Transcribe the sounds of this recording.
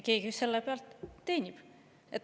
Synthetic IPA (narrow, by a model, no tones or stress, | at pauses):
ke̞ːkiyselːepeɑlt̪ːe̞ːnʲib̥ | et̪ː